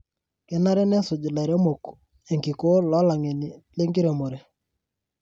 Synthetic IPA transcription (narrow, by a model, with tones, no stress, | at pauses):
ke˦na˦ɾe˦ne˦sʊ˨d͡ʒu˨la˨ɾe˦mo˨k | e˨ŋki˨ko˦lɔ˦la˨ŋe˨ni˨le˦ŋɡi˦ɾe˨mo˨ɾe˨